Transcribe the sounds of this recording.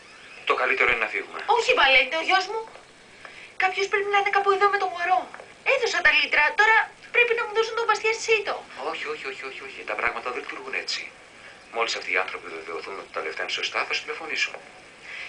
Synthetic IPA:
t̪o̞kɐlit̪eɾo̞inenɐfiɣumḛo̞çivɐlent̪eoʝozmu | kɐpço̞spɾepinɐinekɐpo̞iðome̞t̪o̞ɣoɾo̞ | eθosɐnd̪ɐlit̪ɾɐt̪o̞ɾɐpɾepinɐmuðo̞sunt̪ovɐst̪iɐst̪i̥sit̪oo̞çio̞çio̞çio̞çio̞çit̪ɐpɾʔɐɣmɐt̪ɐðelit̪uɾɣune̞t͡sḭ | mo̞lisɐft̪iːɐ̰nθɾo̞piveve̞oθuno̞t̪i̥t̪ɐleft̪einsost̪ɐθɐsu̥t̪ilofo̞nisun

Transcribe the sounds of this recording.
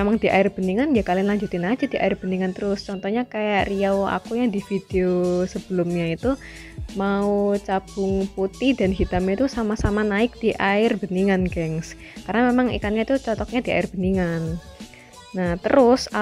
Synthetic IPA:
emaŋd̥iʔaɪrb̥əniŋanjakalɪnlaɲd͡ʒut̪ɪnad͡ʒad̥iʔa̰ɪrb̥əniŋant̪əɾʊst͡ʃɔnt̪ɔhɲakajaʔriawa̰kujaŋdifid̥eosəb̥əlʊmɲait̪u | maut͡ʃab̥ʊŋput̪ɪhdanɦit̪amɲait̪usamasamanaɪk̚d̥iʔaɪrbəniŋanɡɛŋs | karnamemaŋḭkanɲait̪ut͡ʃɔt̪ɔk̚ɲadia̰ɪrb̥əniŋanː | aht̪əɾʊsa

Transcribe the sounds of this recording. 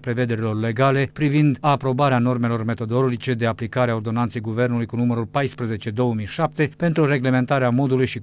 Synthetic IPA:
pɾe̞ve̞d̪e̞ɾilo̞rle̞ɡale̞pɾivind̪apɾo̞baɾeano̞rme̞lo̞rme̞t̪o̞d̪o̞lo̞d͡ʒit͡ʃe̞d̪e̞aplikaɾeao̞rd̪o̞nant̪se̞jɡuve̞rnulujkunuməɾulpajspɾəze̞t͡ʃe̞d̪o̞wəmijʃap̚t̪e̞pe̞nt̪ɾuɾe̞ɡle̞me̞nt̪aɾeamo̞d̪ulujʃi

